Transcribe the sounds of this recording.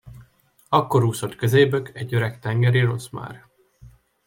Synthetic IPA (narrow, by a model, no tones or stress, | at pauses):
ɒkːo̞ɾuːsot̪køzeːbøkɛɟːøɾɛkt̪ɛŋɡɛɾiɾosma̰ːr